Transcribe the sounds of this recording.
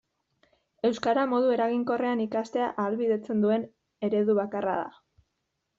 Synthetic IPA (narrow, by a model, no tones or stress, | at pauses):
e̞wskaɾamo̞ðue̞ɾaɣiŋko̞re̞anikast̪e̞aʔaːlβiðe̞t͡se̞nd̪ue̞n | e̞ɾe̞ðuβ̞akara̰ð̞a̰